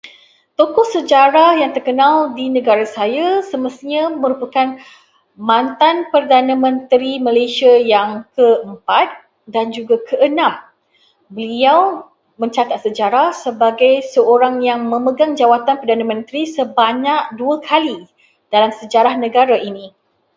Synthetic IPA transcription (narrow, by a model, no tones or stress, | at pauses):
t̪okɔhsəd͡ʒaɾahjaŋt̪ərkənaldinə̃ɡaɾasajasəməst̪ɲaməɾupakan | mãnt̪anpərdanãmə̃nt̪ɾiməlasiajaŋkəəmpat̪̚ | dand͡ʒuɡakʰəʔənãm | bəliaw | mə̃ɲt͡ʃat̪at̪̚səd͡ʒaɾahsəbaɡajsəoɾaŋjaŋmə̃məɡaŋd͡ʒawat̪anpərdanãmə̃nt̪ɾisəbaɲaʔ̚duakʰali | d̥alamsəd͡ʒaɾahnə̃ɡaɾaʔini